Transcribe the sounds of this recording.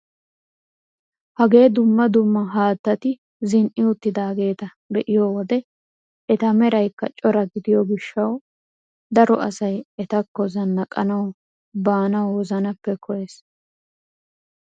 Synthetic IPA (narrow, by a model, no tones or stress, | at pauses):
hɐɡe̞ːd̪ʊmːɐd̪ʊmːɐɦaːt̪ːɐt̪ɪ | zɪnʔɪʊt̪ːɪd̪aːɡe̞ːt̪ɐ | d̪ɛʔɪjowɔd̪ɛ | ʔɛt̪ɐmɛɾɐjkːɐ̰t͡ʃʼɔɾɐɡɪd̪ɪjɔɡɪʃːɐw | d̪ɐɾɔʔɐsɐjɛt̪ɐkːɔzɐnːɐkʼɐnɐw | baːnɐwwɔzɐnɐpːɛkʰɔjeːs